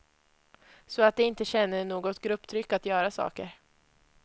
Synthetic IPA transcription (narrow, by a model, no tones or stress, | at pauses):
sɔat̪̚d̪ɛɪnt̪əɕɛnːəɳoːɡɔt̪ɡɾɵpːt̪ʰɾʏkːat̪jœːɾasɑ̰ːkə̰ɾ